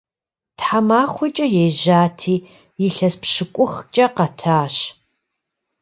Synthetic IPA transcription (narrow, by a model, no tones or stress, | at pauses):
tħamaːχʷʊt͡ʃʼɐjeʒaːtʰiː | jɪɬɐspɕɨkʷʼʊxt͡ʃʼɐqɐtʰaːɕ